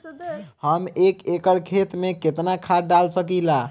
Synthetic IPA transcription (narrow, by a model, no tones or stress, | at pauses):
həmekekəɾkʰet̪meket̪nakʰaɖalsəkila